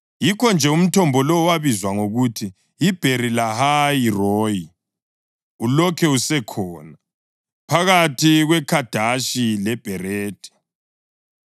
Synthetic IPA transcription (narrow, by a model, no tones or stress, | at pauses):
jikʰɔnd͡ʒʱɛum̩tʰɔmbʱɔlɔwaβizwaŋoɣutʰiː | b̥ʱerilahajirɔːji | ulɔkʰɛusɛkʰɔːna | pʰaɣatʰiɣwɛkʰad̥ʱaʃilɛb̥ʱɛɾeːd̥ʱɛ̥